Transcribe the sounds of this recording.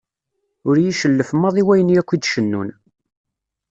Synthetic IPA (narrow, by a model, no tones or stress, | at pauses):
ʊɾjiʃəlːəfmːɑðˤiwæjənjækʷːid̪ʃənːṵn